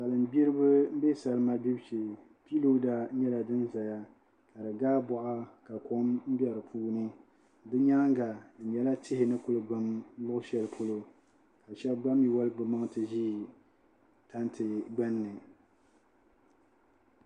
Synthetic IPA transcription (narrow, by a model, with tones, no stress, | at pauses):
sa˨lɨ˨m˦bi˦ɾɨ˦bɨ˦m̩˦bɛ˦sa˨lɨ˦ma˦bi˦bʃi˨ | pi˦lo˦da˨˦ɲɛ˦la˨dɨ˦nza˨ja˦ | ka˨dɨ˨ɡaː˦bɔ˦ʔa˦ka˨ko˦mm̩˦bɛ˨ɾɨ˨pʰuː˦nɨ˦ | dɨ˦ɲa˦ŋ˦ŋ˦ɡa˨jɛ˨la˦tʰɪ˦hɪ˨nɨ˦kʊ˦lɨ˨ɡ͡ba˦m˦lʊ˦ʔʊ˦ʃɛ˨lpʰo˦lo˦ | ka˨ʃɛ˦bɡ͡ba˦mi˨wa˦lɨ˦ɡ͡bɨ˨ma˦ŋtɨ˨ʒiː˦˨ | ta˦ntʰɨ˨ɡ͡ba˦nːɨ˨